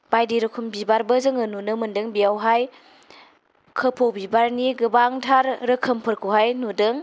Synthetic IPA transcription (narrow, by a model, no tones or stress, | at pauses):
bajdiɾɯkʰumbibaɾbəzɯŋɯnunɯmɯndɯŋbijawɦaj | kʰəpʰowbibaɾniɡɯbaŋtʰaɾɾɯkʰəmpʰɯɾkʰuwɦajnudɯŋ